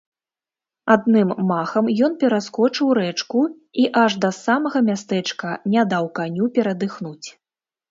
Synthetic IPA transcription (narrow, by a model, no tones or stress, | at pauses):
ad̪̚nɨmːaxɐmjɔnpʲɛɾaskɔt͡ʂɨwɾɛt͡ʂku | iʔaʐd̪ɐsamɐɣɐmʲast̪ɛt͡ʂkɐnʲad̪awkanʲupʲɛɾɐd̪ɨxnut͡sʲ